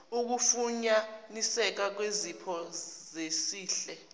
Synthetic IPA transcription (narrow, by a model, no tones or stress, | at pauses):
uk̬ufuɲanisɛk̬ak̬wezipʰɔzesiːɬɛ